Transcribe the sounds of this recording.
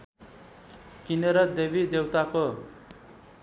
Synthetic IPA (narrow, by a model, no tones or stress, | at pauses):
kinʌɾʌd̪eβid̪ewt̪ako